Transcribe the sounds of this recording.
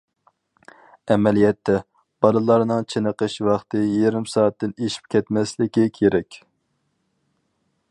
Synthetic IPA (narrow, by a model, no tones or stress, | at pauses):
ɛmɛlijɛt̪ʰːɛ | b̥ɑlˠɨlˠɑɾnɨŋt͡ʃʰenəqəʃwɑχt̪ʰɨjeɾɪmsɑːt̪ʰːɪneʃi̥p̚kʲʰɛt̪mɛslɪkʲikʲʰeɾɛkʲ